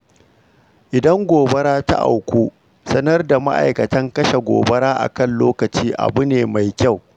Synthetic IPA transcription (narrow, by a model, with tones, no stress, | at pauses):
ʔɪ˨dɐ˦ŋɡʷoː˨bɐ˦ɾaː˦ta̰˦ʔa̰˨wkʷoː˦ | sɐ˦nɐ˦rda˨ma̰˦ʔa̰˨jkɐ˨tɐ˦ŋkɐ˦ʃa˨ɡʷo̰ː˨bɐ˦ɽaː˦ʔa̰˨kɐ˦nloː˦kɐ˨t͡ʃiː˦ʔa̰˨bʊ˦neː˨ma˨jkʲa˦˨w